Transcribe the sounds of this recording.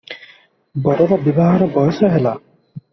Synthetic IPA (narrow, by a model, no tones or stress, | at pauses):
bɔɾɔɾɔbibaɦɔɾɔbɔjɔsɔɦela